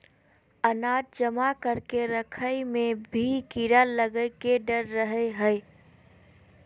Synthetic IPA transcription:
ənaːd̪̚d͡ʒəmakəɾkeɾəkʰəjmẽbʱikiɾaləɡəɪkeɖəɾːəɦeɦəɪ

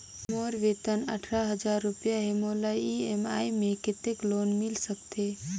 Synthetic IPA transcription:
moːɾʋet̪ənə̰ʈʰɾaɦəd͡ʒaːɾːʊpjaɦemoːlaiemaːimẽkɪt̪ekloːnmɪlsək̚t̪eː

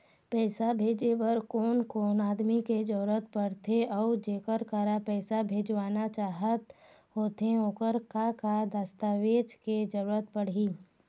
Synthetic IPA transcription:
pɛːsabʱeːd͡ʒeʋəɾkoːnkoːnaːd̪miked͡ʒəɾuːɾət̪pəɽt̪eɔːd͡ʒeːkəɾkəɾapɛːsabʱeːd͡ʒʋaːnat͡ʃaːɦət̪ | ɦoːt̪ẽoːkəɾkakad̪əst̪aːʋeːd͡ʒked͡ʒəɾuːɾət̪̚pəɽ̤iː

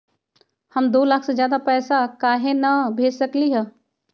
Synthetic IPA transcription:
hɐmd̪oːlaːkʰsezjaːd̪apɛːsakaːɦenɐbʱeːd͡ʒsəkliɦɛː

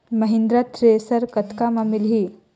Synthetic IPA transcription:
məɦĩnd̪ɾat̪ɾesəɾkət̪kamamilɦi

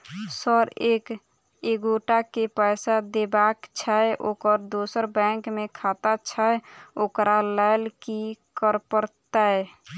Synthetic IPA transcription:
səɾek | eɡoʈakepəjsad̪ebakt͡ʃʰaeʔokəɾd̪osəɾbɛ̃ŋkmekʰat̪at͡ʃʰaeokɾaləɪlkikəɾpəɾt̪ae

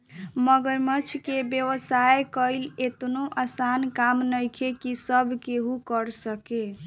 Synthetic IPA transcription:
məɡəɾmət͡ʃʰkebjəʋəsaekəɪlet̪noʔasankamnəjkʰekisəbʱkeɦukəɾsəke

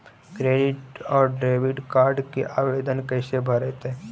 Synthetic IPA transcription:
kɾeːɖɪʈɔːɾɖɾeːʋɪʈkaːɾɖkeʔaːʋeːd̪ənkɛːsebʱɐɾɛt̪ɦɛː

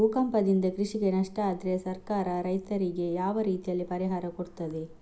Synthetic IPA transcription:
ukɐmpɐd̪ind̪ɐkɾiʂiɡenɐʂʈɐaːd̪ɾesɐɾkaːɾɐɾɐjt̪ɐɾiɡe̞jaːʋɐɾiːt̪ijɐlːipɐɾiɦaːɾɐkoɽt̪ːɐd̪e

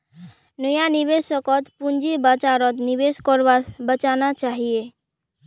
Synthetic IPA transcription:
nəjanibesəkɔt̪pund͡ʒibat͡ʃaɾɔt̪nibeskɔɾbabət͡ʃanat͡ʃaɦije

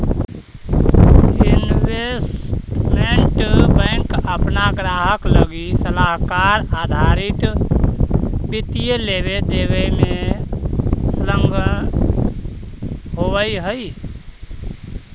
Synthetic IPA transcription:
inʋesmeɳʈbə̃ŋkəpnaɡɾaɦəkləɡisəlaɦkaɾad̪ʱaɾit̪ | bit̪ijeleβed̪eβəme | sləŋɡʱə | ɦobəjɦəj

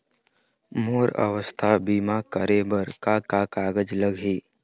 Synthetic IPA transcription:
moːɾə̰ʋəst̪ʰabiːmakəɾebəɾkakakaːɡəd͡ʒləɡɦiː

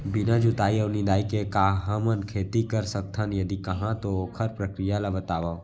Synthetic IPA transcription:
bɪnad͡ʒʊt̪aːiɔːɾnid̪aːikekaɦəmənkʰeːt̪ikəɾsək̚t̪ʰanjɐd̪ikɐɦãt̪okʰəɾpɾəkɾijalabət̪aːʋao

